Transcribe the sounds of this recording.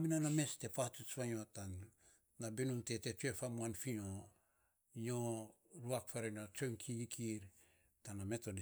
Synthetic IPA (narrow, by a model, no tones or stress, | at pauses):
minaname̞ste̞patut͡ʃβaɲo̞tanː | abenumte̞te̞t͡ʃue̞famuanfino | ɲo̞ | ɾuak̚faɾenot͡ʃojŋkʰiɡikʰiɾ | taname̞to̞d